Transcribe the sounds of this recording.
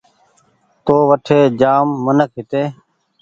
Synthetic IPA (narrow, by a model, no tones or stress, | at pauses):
t̪oːʋəʈʰeːd͡ʒaːmːənək̚ʰɦɪt̪eː